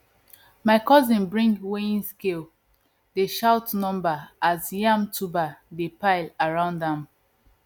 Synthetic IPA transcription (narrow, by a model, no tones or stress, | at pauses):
maɪkɔzĩnbɹĩŋɡweĩnskel | deʃaʊtnɔ̃mbaazjãmtʰubadepaɪlaɹãʊ̃ndãm